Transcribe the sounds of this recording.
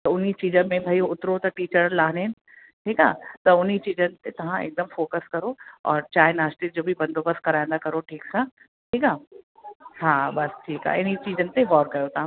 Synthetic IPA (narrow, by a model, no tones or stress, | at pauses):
t̪ɐʊnit͡ɕiːd͡ʑəmẽbʱaːiʊt̪ɾot̪ɐʈiːt͡ɕəɾəlaːɦneɪnɪ | ʈʰiːkaːt̪ɐʊnit͡ɕiːd͡ʑənɪ̆t̪et̪ɐʋ̤ãḛk̚d̪əmfoːkəskɐɾoɔ̰ːɾt͡ɕaːɦɪenaːsʈid͡ʑoːbʱibɐ̃nd̪ʱoːbɐst̪kɐɾaːĩn̆d̪akɐɾoʈʰiːksãː | ʈʰiːkaː | haːbɐsʈʰiːka̰ːɪnit͡ɕiːd͡ʑənɪ̆t̪eʋɔːɾkɐjot̪ɐʋ̤ã